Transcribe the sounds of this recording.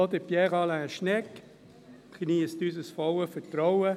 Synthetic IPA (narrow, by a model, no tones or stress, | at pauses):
ɔt̪əpjɛʁɑlaʃnɛk | knist̪ysəsfɔwəfətɾɔwə